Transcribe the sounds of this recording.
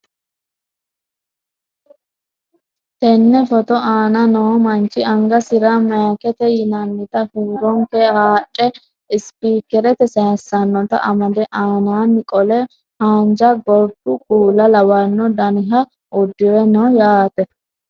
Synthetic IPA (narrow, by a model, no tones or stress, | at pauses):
t̪ɛnːɛfɔt̪ɔʔaːnɐnoːmɐnt͡ʃʼːɪɐŋɡɐsɪɾɐmɐɐkɛt̪ɛjɪnɐnːɪt̪ɐhuːɾɔŋkɛhaːt͡ʃʼːɛ | ɪspiːkɛɾɛt̪ɛsɐhɐsːɐnːɔt̪ɐ̰ʔɐmɐd̪ɛʔaːnaːnːɪkʼɔlɛ | haːnd͡ʒɐɡɔɾd̪ʊkuːlɐlɐwɐnːɔd̪ɐnɪɦɐ | ʊd̪ːɪwɛnɔːjaːt̪ɛ